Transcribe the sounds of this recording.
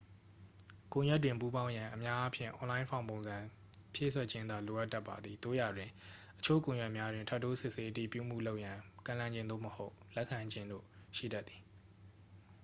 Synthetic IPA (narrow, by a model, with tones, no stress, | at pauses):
kõ˨jwɛ˦t̬ːwɪ̃˨mpu˦bã˦ʊ̃jã˨ʔəmja˦ʔa˦pʰjɪ̰̃˦˨ʔɔ̃˨lã˦ɪ̃mʰfʰã˦˨põ˨zã˨ | pʰjḛ˦˨sʰwɛ˦˨t͡ɕʰɪ̃˦nd̪a˨lo˨ʔa˦tːa˦pːa̰˨d̪ði˨d̪o̰˦˨ja˨dwɪ̃˨ʔət͡ɕʰo̰˦˨kõ˨jɛ˦ʔmja˦dwɪ̃˨ntʰa˦tːo˦sɪ˦ʔse˦ʔəti˦˨pjṵ˦˨m̥ṵ˦˨lo˦ʊʔjã˨kã˨lã˨ɲd͡ʑɪ̃˦nd̪o̰˦˨məho˦ʊʔlɛ˦ʔkʰːã˨ɲd͡ʑɪ̃˦ndo̰˦˨ʃḭ˦˨da˦t̪θi˨